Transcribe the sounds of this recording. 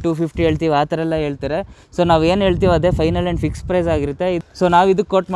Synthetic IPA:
ʈuːpʰipʰʈiɦeːɭt̪iːʋaːt̪ɐɾɛlːɐɦeːɭt̪iːɾesoːnaːʋe̞ːnɦe̞ːɭt̪iːʋɐd̪eːpʰɐjnɐlɐɳɖpʰikspɾɐjzaːɡiɾut̪ːe̞isoːnaːʋid̪ukːoʈm

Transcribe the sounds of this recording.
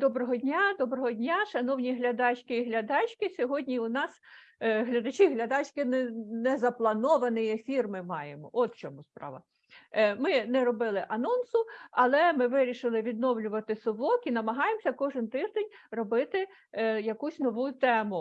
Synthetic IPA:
d̪ɔbɾɔɦɔdʲnʲad̪ɔbɾɔɦɔdʲnʲaʃɐnɔwnʲiɦlʲɐd̪ɑt͡ʃʲkɪiɦlʲɐd̪ɑt͡ʃʲkɪsʲɔɦɔdʲnʲiʊnɑs | ɦlʲɐd̪ɐt͡ʃiɦlʲɐd̪ɑt͡ʃʲkɪnɛnɛzɐplˠɐnɔʋɐnɪjefʲirmɪmɑjemɔʔɔt̪t͡ʃɔmuspɾɑ̰ʋɐ̰ | mɪnɛɾɔbɪlˠɪʔɐnɔnsʊɐlˠɛmɪʋɪɾʲiʃɪlˠɪʋʲid̪nɔwlʲʊʋɐt̪ɪsʊʋɔkinɐmɐɦɑjemɔsʲɐkɔʒɪnt̪ɪʒd̪enʲrɔbɪt̪ɪ | jɐkusʲnɔʋut̪ɛmʊ

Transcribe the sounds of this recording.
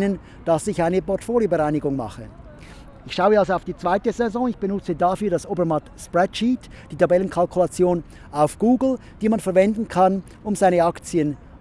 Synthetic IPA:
nən | d̥asɪçaɪnəpʰɔʁtfoːljobəʁaɪnɪɡʊŋma̰χə | ɪçʃaʊəalzoaʊfd̥iːt͡sv̥aɪtəzɛzɔ̃ːɪçb̥ənʊt͡sədafyːɐdasʔoːbəɐmatspʁɛdʃiːt | d̥iːtʰabɛlənkʰalkʰulat͡sjoːn | aʊfɡ̥uːɡl̩ | d̥iːmanfɛɐvɛndn̩kʰan | ʊmzaɪnəakt͡sjən

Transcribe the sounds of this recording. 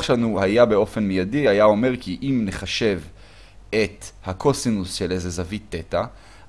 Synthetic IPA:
ʃeanuhajabe̞o̞fenmejadihajao̞me̞ʁkiʔimneχaʃe̞v | et̪hakʰo̞sinusʃe̞lejzezavit̪ːeta

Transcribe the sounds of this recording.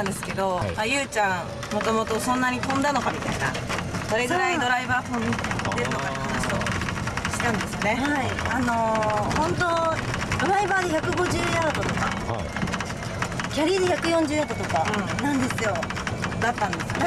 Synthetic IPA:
ãnd̪e̞sɨ̥ke̞d̪o̞ajɯ̟ːt͡ɕã | mo̞t̪o̞mo̞t̪o̞sõ̞nːaɲ̟it̪õ̞nd̪ano̞kamʲit̪aina̰ | so̞ɾe̞ɡɯ̟ɾaid̪o̞ɾaibaːt̪õnid̪e̞ɾɯ̟no̞kat̪ekanaɕi̥o | ɕi̥t̪ãnd̪e̞sɨone̞haiano̞hõ̞nt̪̬o̞d̪o̞ɾaibaːd̪eçakɯ̟ɡo̞ʑɨːjat̪at̪ot̪oka | kʲaɾʲiːd̪eçakɯ̟jõ̞ɲ̟d͡ʑɨːjat̪ot̪o̞kanãnd̪e̞sɨjo̞ | d̪at̪ːãnd̪e̞sɨ̥n

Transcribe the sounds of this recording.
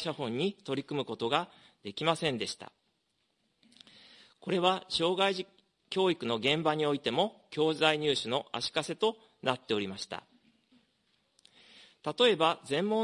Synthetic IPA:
ɕahõ̞ɲ̟ːit̪o̞ɾʲikɯ̟mɯ̟ko̞t̪o̞ɡa | d̪̥e̞kʲimasẽ̞nd̪e̞ɕi̥t̪a̰ | ko̞ɾe̞β̞aɕo̞ːɡaiʑi | kʲo̞ːikɯ̟no̞ɡẽ̞mbaɲ̟io̞it̪e̞mo̞kʲo̞ːzaiɲ̟ɨːɕɨno̞ʔa̰ɕi̥kase̞t̪o̞ | nat̪ːe̞o̞ɾʲimaɕi̥t̪a̰ | t̪at̪o̞e̞bazẽ̞mːo̞

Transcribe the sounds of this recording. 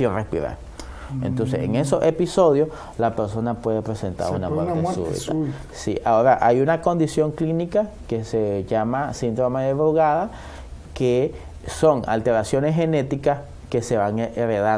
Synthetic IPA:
irespḭɾa̰ɾ | ḛnt̪o̞ns̬esḛŋesosepiso̞ðjos | lape̞ɾso̞napwe̞ðepɾe̞se̞nt̪a̰ɾṵnamwetesṵḭa | sḭʔao̞ɾaʔajunako̞nd̪isjo̞ŋklinika | keseʝamasind̪ɾomeðeβɾoɣaða | ke | so̞ŋa̰lt̪e̞ɾasjo̞nesɦe̞ne̞t̪ikas | ke̞se̞βaŋeʔeɾeða

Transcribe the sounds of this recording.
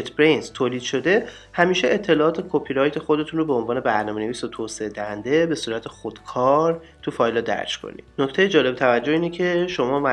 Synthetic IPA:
et̪ʰbɾenzt̪ʰoːliːd̪̥ʃo̞d̪e̞ | hæmiːʃeʔet̪ʰːe̞lɒːʔɒːt̪ʰekʰopʰiɾɒːjt̪ʰexo̞d̪e̞t̪ʰunɾobeonvɒːne̞bæɾnɒːmene̞viːsot̪ʰoːseed̪æhænd̪e̞be̞suːɾæt̪ʰexod̪̥kʰɒːɾ | t̪ʰufɒːjlɒd̪æ̰ɾʃkʰo̰nḭd̪̥noct̪ʰejed͡ʒɒːle̞bt̪ʰævæd͡ʒːoiːnecʰe̞ʃo̞mɒːmæ

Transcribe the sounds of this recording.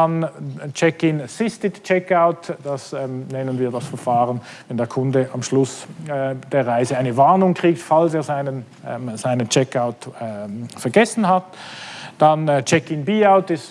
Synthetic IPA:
dant͡ʃɛkɪnəsɪstɪtt͡ʃɛkaʊtd̥asɛnɛnənviːɐdasfɛɐfaːʁən | vɛndeːɐkʰʊndəʔamʃlʊs | d̥eːɐʁaɪzəaɪnəvaʁnʊŋkʁ̥iːktfalseːɐzaɪnən | z̥aɪnənt͡ʃɛkaʊtː | fɛɐɡɛsn̩ɦatd̥ant͡ʃɛkɪnbiːaʊtɪst

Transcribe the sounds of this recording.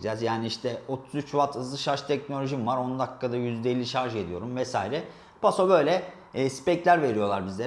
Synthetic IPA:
d͡ʒɛzjaːniiʃt̪ʰɛo̞t̪ʰu̥zyt͡ʃvat̪ʰɯzlˠɯʃaɾʃt̪ʰɛc̚nolʲo̞ʒimvaɾo̞nd̪akːad̪ajyzd̪ɛelʲːiʃaɾʒɯe̞d̪ijo̞̰ɾumvɛsaːiɾɛ | b̥asobø̞jlʲɛ | spɛclʲæɾve̞ɾijo̞lˠaɾbizlʲe

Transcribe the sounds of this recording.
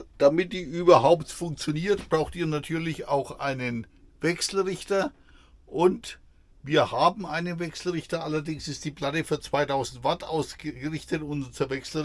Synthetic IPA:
d̥amɪt̚d̥iːʔyːbɐɦaʊptfʊŋk̚t͡sjoniːɐtb̥ʁaʊxtiːɐnatʰyːɐlɪça̰ʊxʔaɪnənvɛksl̩ʁɪçtɐ | ʔʊnt | viːɐhaːbm̩aɪnənvɛksl̩ʁɪçtɐʔalɐdɪŋsɪst̚d̥iːpl̥atəfyːɐt͡sv̥aɪtʰaʊzn̩tv̥atʔa̰ʊsɡəɡəʁɪçtətʊnt͡suɐvɛksl̩

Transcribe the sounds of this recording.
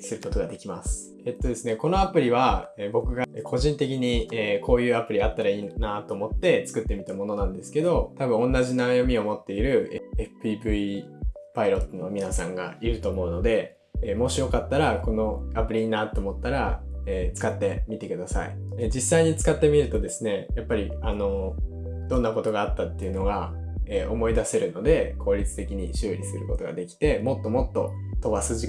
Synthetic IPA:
sɨɾɯ̟ko̞t̪o̞ɡad̪e̞kʲimasɨ̥ | et̪ːo̞d̪e̞sɨne̞ko̞no̞apɯ̟ɾʲiβ̞aeːbo̞kɯ̟ɡaekʰo̞ʑĩnt̪e̞k̬ʲiɲ̟ieːkʰo̞ːjɯ̟ːapɯ̟ɾʲiat̪ːaɾaiːnat̪o̞ːmo̞t̪ːe̞t͡sɨ̥kɯ̟t̪ːe̞mʲit̪amo̞no̞nãnd̪e̞sɨ̥ke̞d̪o̞t̪abɯ̟̃õ̞nːaʑinajomʲio̞mo̞t̪ːe̞iɾɯ̟eɸɯ̥pibɯ̟ipaiɾo̞t̪ːonomʲinasã̰ŋɡa̰iɾɯ̟t̪o̞ːmo̞ɯ̟no̞d̪e̞ | emo̞ɕijo̞kat̪ːaɾako̞no̞apɯ̟ɾʲiɲinat̪ːoːmo̞t̪ːaɾaeːt͡sɨ̥kat̪ːe̞mʲit̪e̞kɯ̟d̪asa̰ḭed͡ʑisːaiɲ̟it͡sɨ̥kat̪ːe̞mʲiɾɯ̟t̪o̞d̪e̞sɨne̞japːaɾʲiano̞ | d̪̥õ̞nːako̞t̪o̞ɡaːt̪ːat̪ːe̞iɯ̟no̞ɡa | eːʔo̞mo̞id̪ase̞ɾɯ̟no̞d̪e̞kʰo̞ːɾʲit͡sɨ̥t̪e̞kʲiɲ̟iɕɨːɾʲisɨɾɯ̟ko̞t̪o̞ɡa̰d̪e̞kʲi̥t̪e̞mo̞t̪ːo̞mo̞t̪ːo̞̰ | t̪o̞basɨʑi

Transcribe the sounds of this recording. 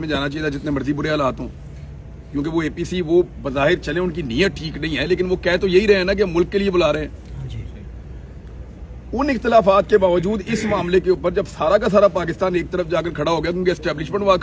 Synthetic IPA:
mẽd͡ʒaːnat͡ʃaːid̪aːd͡ʒɪt̪nẽmɐɾzibʊɽeaəlaːt̪ɦõ̰ː | kjõːk̬eʋoeːpiːsiːʋoːbəzaːɦɪɾt͡ʃəlẽʊnkinɪjət̪̚ʈʰiːknɐɦĩːɦɛːleːkɪnʋokɛːt̪ojeɦiɾɐɦẽɛːnak̬emʊlkːeliebʊlaːɾeɦeɛ̃ː | ʊnɪxt̪ɪlaːfaːt̪̚kebaːʋəd͡ʒuːd̪ɪsmaːmlekeʊpəɾd͡ʒɐbsaːɾakas̬aːɾapaːk̬ɪst̪aːneːk̚t̪əɾəfd͡ʒaːkəɾkʰɐɽaɦoːɡɐjaːk̬jõːkeɪsʈɛːblɪʃmə̃ɳʈʋaːk

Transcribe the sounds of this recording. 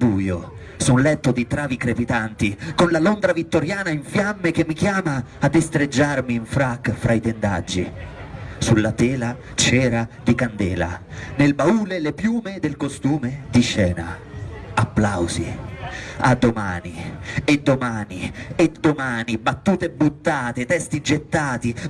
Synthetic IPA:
buːjo | sunlɛt̪ːod̪it̪ɾaːvikɾepit̪ant̪ikonlalond̪ɾavit̪ːoɾjaːnaiɱfjamːek̟emːikjaːmaːd̪ːest̪ɾed͡ʒːarmiːɱfɾakːfɾʔait̪end̪a̰d͡ʒːi | sulːat̪ɛːla | t͡ʃɛːɾad̪ikand̪ɛ̰ːla̰nelbauːlelepjuːmed̪elkost̪uːmed̪iʃɛːna̰apːlawzḭ | ad̪ːomaːnied̪ːomaːnied̪omaːnibat̪ːuːt̪eɛbːut̪ːaːt̪et̪ɛst̪id͡ʒet̪ːaːt̪i

